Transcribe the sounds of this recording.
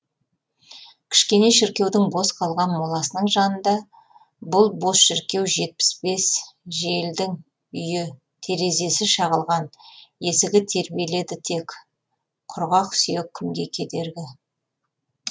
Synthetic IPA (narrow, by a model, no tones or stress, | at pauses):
kʲʰɪ̥ʃkʲe̞ne̞ʃɪɾkʲe̞wd̪ɪŋbo̞sqʰɑlˠʁɑnmolˠɑsənəɴʒɑnənd̪ɑ | bʊlˠbo̞sʃɪɾkʲe̞wʒe̞t̪̚pɪ̥sbe̞sʒe̞ld̪ɪŋ | ʏjɪ | t̪ʰe̞ɾe̞ze̞sɪʃɑʁəlˠʁɑnje̞sɪɡʲɪt̪ʰe̞ɾbije̞le̞d̪ɪt̪ʰe̞k | qʰʊɾʁɑqsijekʲʰʏmɡʲe̞kʲʰe̞d̪e̞ɾɡʲɪ